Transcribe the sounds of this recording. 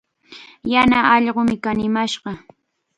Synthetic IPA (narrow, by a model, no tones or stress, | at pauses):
janaʔɑʎɢomɪkanɪmaʃɢɑ